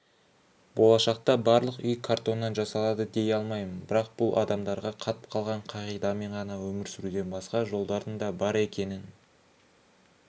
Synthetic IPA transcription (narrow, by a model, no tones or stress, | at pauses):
bo̞lˠɑʃɑq̚t̪ɑbɑɾlˠəqʏjkʰaɾt̪o̞nːɑnʒɑsɑlˠɑd̪əd̪e̞jɑlˠmɑjməənbɪɾɑq̚b̥ʊlˠʔɑ̰d̪ɑmd̪ɑɾʁɑqʰɑt̪ə̥p̚qʰɑlˠʁɑɴqʰɑʁijd̪ɑme̞ɴʁɑnɑwɵmɪɾsʏɾuɡ̪ʲe̞nbɑsqɑʒo̞lˠd̪ɑɾd̪əɴd̪ɑbɑɾe̞kʲe̞nɪn